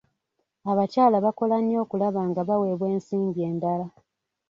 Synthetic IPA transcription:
aβacaːlaβako̞lanːjo̞ːkulaβaːŋɡaβawe̞βwe̞ːnsiːmɟie̞ːndala

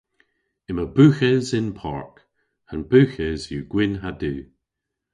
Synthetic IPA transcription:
ɪməbʉxɛzɪnpʰa̰ɹk | ə̃nb̥ʉːxɛzjuɡ̥wɪnɦadʉː

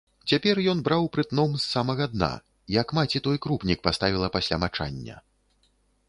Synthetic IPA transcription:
t͡sʲapʲɛrjɔnbɾawpɾɨt̪nɔmsːamɐɣɐd̪na̰ | ijɐkmat͡sʲit̪ɔjkɾupnʲik̚past̪avʲilˠɐpasʲlʲamat͡ʂa̰nʲːɐ̰

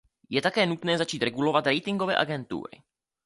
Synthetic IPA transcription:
jɛt̪akɛːnut̪nɛːzat͡ʃiːt̪ɾɛɡulovat̪ɾɛjt̪ɪŋɡovɛ̰ːʔaɡɛnt̪ṵːɾɪ̰

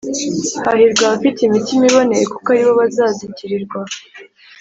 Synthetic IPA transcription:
haɦiɾɡwaβafitimitimiβo̞ne̞ɾeku̥kaɾiβo̞βazaːziciɾiɾɡwa

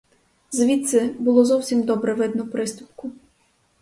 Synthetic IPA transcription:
zʋʲit̪sɛbʊlˠɔzɔwsʲimd̪ɔbɾɛʋɪd̪̚nɔwpɾɪst̪ʊpkʊ

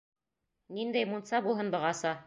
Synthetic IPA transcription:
nind̪æjmunt̪sɑbulˠɦɤnbɤ̆ʁɑsɑ

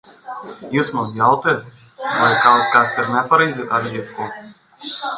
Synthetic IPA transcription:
juːsmanjawt̪it̪ | vajkawt̪kasiɾnɛpaɾɛjzʲit̪aɾjit̪̚kuɔ

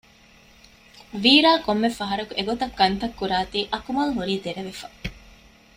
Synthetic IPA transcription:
ʋiːɾaːkomːefɐɦɐɾɐkueɡot̪ɐkːɐnt̪ɐkːuɾaːt̪iːʔɐkumɐlɦuɾiːd̪eɾeʋefɐ

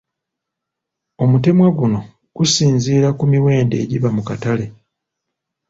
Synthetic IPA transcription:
o̞mute̞mwaɡuno̞ | ɡ̥usiːnziːɾakumiwe̞ːnde̞̰ːɟiβamukatale̞

